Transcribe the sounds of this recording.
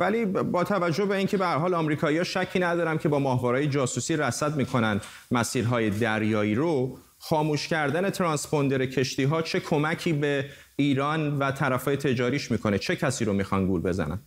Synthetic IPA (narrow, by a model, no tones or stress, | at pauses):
væliːbɒːt̪ʰævæd͡ʒːohbe̞iːncʰe̞behæɾɦɒːlɒːmɾiːkʰɒːijɒːʃæcʰːiːnæd̪ɒːɾæmcʰe̞bɒːmɒːɦvɒːɾɒːjed͡ʒɒːsusiːɾæsæd̪miːkʰo̞næn | mæsiːɾɦɒːje̞d̪æɾjɒːiːɾo | χxɒːmuːʃcæɾd̪æne̞t̪ʰɾɒnspo̞nd̪e̞ɾecʰe̞ʃt̪iːɦɒːt͡ʃʰe̞kʰo̞mæcʰiːbe̞ | iːɾɒːnvæt̪ʰæɾæfɒːje̞t̪ʰe̞d͡ʒɒːɾiːʃmiːkʰo̞net͡ʃʰe̞cʰæsiːɾomiːxɒnɡulbe̞zæ̰næ̰n